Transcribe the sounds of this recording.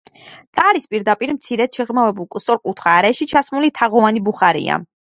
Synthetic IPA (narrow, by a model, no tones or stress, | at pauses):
k̪ʼaɾispʼiɾd̪apʼiɾmt̪sʰiɾɛt̪ʃɛʁmavɛbulˠkʼust̪ʼɔɾkʼut̪ʰχaːɾɛʃit͡ʃʰasmulit̪ʰaʁɔvanibuχaɾḭa̰